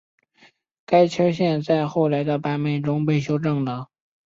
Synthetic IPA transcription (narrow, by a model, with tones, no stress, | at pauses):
ka˥ɪt͡ɕʰə˥ɕjɛ˥˧nt͡sa˥˧ɪxo˥˩ʊla˧˥ɪd̪ə˧pa˥me˥˩ɪʈ͡ʂʊ˥ŋpe˥˩ɪɕ̬jo˥ʊʈ͡ʂɤ˥˩ŋd̪ə˩